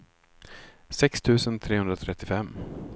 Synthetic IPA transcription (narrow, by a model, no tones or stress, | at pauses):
sɛkst̪ʰʉ̟ːsənt̪ʰɾeːɵnd̪ɾat̪ʰɾɛt̪ːɪfɛmː